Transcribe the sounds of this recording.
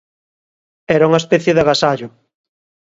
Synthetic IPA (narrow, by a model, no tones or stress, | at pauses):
ɛɾauŋɐespɛθjeðaɣasaʎʊ